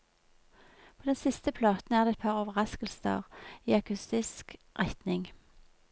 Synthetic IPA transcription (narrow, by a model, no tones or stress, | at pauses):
pʰoːd̪ɛnsɪst̪əpʰlɑːt̪n̩æːʁd̪eːɛt̪pʰɑːʁoːʋəʁɑskəlsə̰ʁiːɑkʰʉst̪ɪsk | ʁɛt̪nɪŋ